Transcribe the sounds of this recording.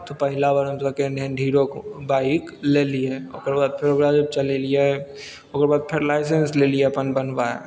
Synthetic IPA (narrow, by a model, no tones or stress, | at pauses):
t̪ʰopəɦɪlabəɾəmsakeneɖʱiːɾokbaːikleːlieo̰ːkeɾbaːd̪̚pʰɪɾoɡɾad͡ʒəb̚t͡ʃɐlelie | okeɾbaːd̪̚pʰɪɾlaːɪs̬ensleːliepənbənbaːja̰